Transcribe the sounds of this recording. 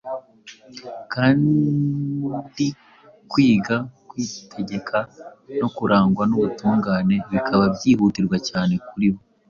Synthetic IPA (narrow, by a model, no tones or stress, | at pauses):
kaːn | di | kwiːɡakwiːtʰe̞ɟe̞kʰano̞kuɾʔaːŋɡwanoβutuːŋɡaːne̞βikʰaβabɟiːhuːtiɾɡwacaːne̞kuɾiho